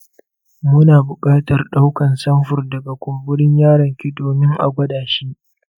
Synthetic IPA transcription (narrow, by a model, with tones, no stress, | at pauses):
mʊ˦naː˨bʊ˨kʼaː˦tɐ˨rɗa˦wkɐ˨nsɐ˦mɸʊ˨rdɐ˨ɡa˨kʷoː˨bɪ˦ɽɪ˦ɲjaː˦ɽɐ˨ŋkʲɪ˦doː˨nɪ˦ŋʔa̰˨ɡʷɐ˦daː˨ʃiː˦ʔ